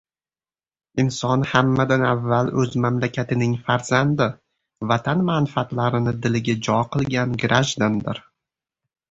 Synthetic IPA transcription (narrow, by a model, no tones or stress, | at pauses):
ɪnsɒnhamːad̪anavːalɵzmamlakʲʰat̪ʰɪnɪŋfaɾzand̪ɪ | vat̪ʰanmanfat̪laɾɪnɪd̪ɪlɪɡʲad͡ʒɒqʰɨlˠɡʲanɡɾʔaʒd̪and̪ɪɾ